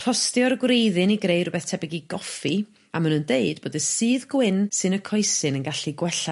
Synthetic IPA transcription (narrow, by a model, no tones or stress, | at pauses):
rʰɔstjɔrɡwrejðɨniɡɾejrʊbɛθtʰɛbɪɡiɡɔfi | amanundeɨdb̥oːdəsɨːðɡwɪnsɨnəkʰɔjsɨnənɡaɬiɡwɛɬa